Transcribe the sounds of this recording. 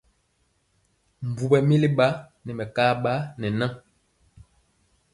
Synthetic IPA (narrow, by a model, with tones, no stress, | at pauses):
m˨vu˨bɛ˨mi˦li˦ɓa˦ | nɛ˨mɛ˨kaː˦ɓa˦nɛ˨na˦